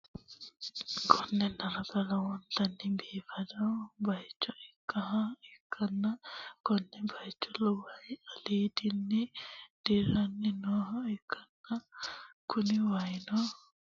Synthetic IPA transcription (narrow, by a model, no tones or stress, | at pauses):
kʰɔnːɛnaɾabalawɔnt̪anːibiːfadawbajt͡ʃːɔʔɛkːaɦaikʰːanːakɔnːɛbajt͡ʃːɔlɔwajaliːdinːid̥iɾanːinɔɦɔikʰːanːakuniwajnɔ